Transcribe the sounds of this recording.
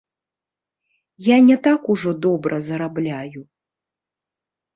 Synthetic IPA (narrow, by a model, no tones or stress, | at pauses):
janʲɛt̪akuʐɔd̪ɔbɾʔɐzɐɾablʲaju